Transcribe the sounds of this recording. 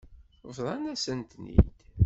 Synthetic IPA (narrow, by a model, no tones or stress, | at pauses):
vðˤɑnæsənt̪nḭd̪̥